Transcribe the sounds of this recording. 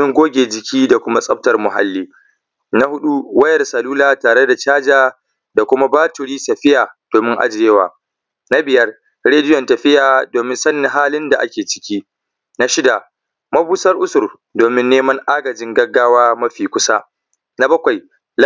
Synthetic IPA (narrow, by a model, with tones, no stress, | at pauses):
ɪ˦ŋɡʷoː˦ɡʲeː˨d͡ʒɪ˨kʲiː˦da˨kʷʊ˦ma˦sʼɐ˦b̚tɐ˨rmʊ˨ɦa̰˦lːiː˦ | na˦hʊ˦ɗu˦wɐ˦jɐ˨rsɐ˨luː˦laː˦˨taː˨ɽe˦da˨t͡ʃaː˦d͡ʒaː˨ | da˨kʷʊ˦ma˦baː˦tʊ˨ɽiː˦sɐ˨ɸɪ˦jaː˨d̥oː˨mɪ˦ŋʔa̰˦d͡ʒɪ˨jːe˦wa̰ː˨ | na˦bɪ˨jɐ˦r | ɽeː˦dɪ˦jɔ˨ntɐ˨ɸɪ˦jaː˨doː˨mɪ˦nsɐ˦nːɪ˨ŋɦaː˦lɪ˦nda˨ʔa̰˦kʲeː˨t͡ʃɪ̥˦kʲiː˦ | na˦ʃɪ˦da˨ | mɐ˦buː˦sɐ˦rʔʊ˦sʊ˨r | doː˨mɪ˦nːeː˦mɐ˦ŋʔaː˦ɡɐ˨d͡ʒɪ˦ŋɡɐ˦ɡːaː˦waː˦mɐ˦ɸiː˨kʷʊ˦sa˦ | na˦bɐ˦kʷa˨j | l